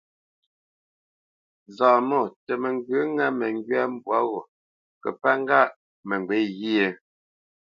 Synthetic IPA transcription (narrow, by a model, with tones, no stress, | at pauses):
zaː˨mɔ˦˨tɛ˨mɛ˨ŋ˦ɡʉ˨˦ŋa˦mɛ˨ŋ˦ɡɥɛ˦˨m̩˦bwa˦ɣo˨ | kə̰˨pa˦ŋ˦ɡa˦˨ʔ | mɛ˨ŋ˨ɡwe˨˦ɣi˦e˨